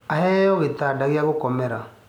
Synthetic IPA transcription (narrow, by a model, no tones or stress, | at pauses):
ahɛɔɣetadaɣeaɣokɔmɛɾa